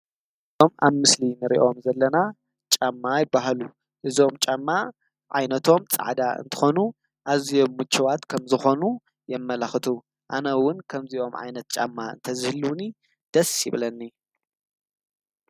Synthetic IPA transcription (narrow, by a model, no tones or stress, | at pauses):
ɨzo̞mʔa̰βmɨslinɨɾḭʔo̞mzɐlːɐna | t͡ʃʼamːajɪbːaɦalu | ʔɨzo̞mt͡ʃʼamːa | ʕajnɐt̪ʰo̞mt͡sʼa̰ʕd̪aɨ̰nt̪ʰɨ̥xo̞nu | ʔaβzijo̞mːut͡ʃːɐwat̪kʰɐmzɨxo̞nu | jɛmːɐlɐxɨt̪ʰu | ʔanɐwʊnkʰɐmziʔo̞mʕa̰jnɐt̪̚t͡ʃʼamːaɨ̰nt̪ʰɐzɨhɨlːuwni | d̪̥ɐsjɪβlɐnːi